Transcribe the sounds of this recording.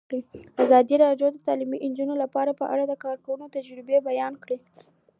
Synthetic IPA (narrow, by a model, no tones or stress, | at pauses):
ɽiazɑd̪iɾɑɖjod̪ət̪ɑlimiʔɪnd͡ʒunolapɑɾapəʔa̰ɽad̪əkɑɾkawunot̪ad͡ʒɾɪbebajɑnkɽi